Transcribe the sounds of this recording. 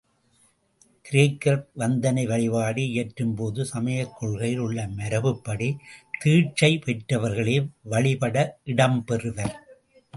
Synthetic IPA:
kɪɾɪjɐkːɐɾʋɐnd̪ɐnɐɪʋɐɭɪʋaːɽiɪjɐʈrɯmpoːðɯsɐmɐjɐkːɔɭɣɐjɪlɯɭːɐmɐɾɐʋɯpːɐɽit̪iːʈ̚t͡ʃɐɪpɛʈrɐʋɐɾɣɐɭeːʋɐɭɪpɐɽɐʔɪɽɐmpɛrɯʋɐɾ

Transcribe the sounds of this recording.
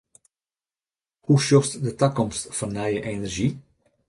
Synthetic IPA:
huʃɔrstdətakɔmstfɑnːœjəʔenərʒi

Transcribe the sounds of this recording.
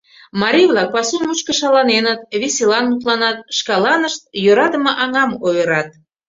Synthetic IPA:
mɑɾʲijβlɑk̚pɑsomuʃkəʃɑlɑnenət̪βisʲelɑnmut̪lɑnɑt̪ʃkɑlɑnəʃt̪̚jøɾɑd̪əməʔɑŋɑmojəɾɑt̪̚

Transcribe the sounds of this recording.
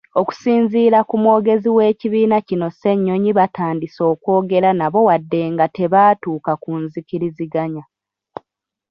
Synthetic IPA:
o̞ku̥siːnziːɾakumwo̞ːɡe̞ziwe̞ːciβiːnacino̞se̞ɲːo̞ɲiβataːndiso̞ːkwo̞ːɡe̞ɾanaβo̞wadːe̞ːŋɡate̞βaːtuːkakunziciɾiziɡaɲa

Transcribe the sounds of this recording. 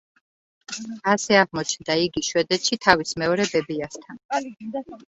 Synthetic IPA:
asɛaʁmɔt͡ʃʰnd̪aiɡiʃwɛd̪ɛt̪ʃit̪ʰavismɛɔɾɛbɛbiast̪ʰan

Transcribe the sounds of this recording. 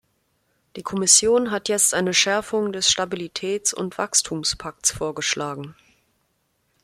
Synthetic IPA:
d̥iːkʰɔmɪsjoːnɦatjɛt͡stʔaɪnəʃɛɐfʊŋdɛsʃtabilitʰɛːt͡sʊ̰ntv̥a̰kstʰuːmspʰak̚tsfoːɐɡəʃlʔaːɡŋ̩

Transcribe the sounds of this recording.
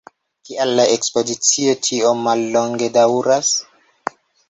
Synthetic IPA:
kialːaekspo̞dit͡siotʰiomalːo̞ŋɡe̞dawuɾas

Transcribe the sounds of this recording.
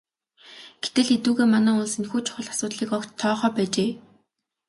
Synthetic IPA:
ɡ̥et̪ɘ̆ɮxet̪uːɣeːmanæːʊɮsinxuːt͡ɕʰʊ̥χə̆ɮḁsʊːt̪ɮiːkɔkt͡ɕt̪ʰːɔːχœːpæːt͡ɕeː

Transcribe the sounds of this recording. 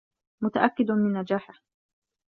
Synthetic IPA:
mʊt̪aʔakːɪd̪mɪnːad͡ʒaːħɪh

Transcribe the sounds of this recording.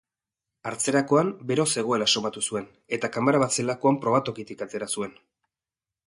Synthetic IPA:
aɾt͡se̞ɾako̞ambe̞ɾo̞se̞ɣ̞o̞e̞laso̞βat̪usue̞n | e̞t̪akamaɾaβat͡se̞lako̞ampɾo̞β̞at̪o̞kit̪ikat̪e̞ɾasue̞n

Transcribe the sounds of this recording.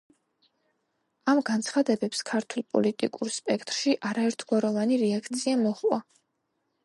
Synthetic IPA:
amɡant̪sʰχad̪ɛbɛpskʰaɾt̪ʰulˠpʼɔ̰lit̪ʼḭkʼuɾspʼɛkʰt̪ʼɾʃiʔaɾaɛɾt̪ʰɡ̥waɾɔvaniɾɛakʰt̪sʰiamɔχwa

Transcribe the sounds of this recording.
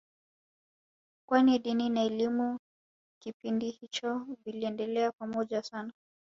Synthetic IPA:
kwaniɗininaɛlimu | kipindihit͡ʃɔviliɛndɛlɛakwamɔʄasana

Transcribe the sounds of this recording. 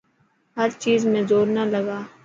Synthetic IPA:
ɦəɾt͡ʃiːzmẽzoːɾnaləɡaː

